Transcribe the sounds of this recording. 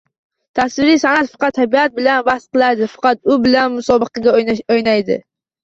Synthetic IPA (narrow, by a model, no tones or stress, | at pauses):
t̪ʰaswɪɾijsanat̪fɑ̥qɑt̪ʰːabiat̪̚bɪlanbahs̚qɨlˠaɾd̪ɪfɑ̥qɑt̪ʊbɪlanmʊsɒbɨqʰɑɡʲaojnajd̪ɪ̰